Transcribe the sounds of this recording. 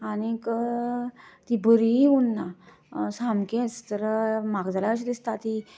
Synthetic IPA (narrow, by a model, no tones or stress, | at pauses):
anikə | t̪ibəɾiunːa | samkẽt͡st̪əɾmaɡd͡zalaəɕid̪ist̪at̪i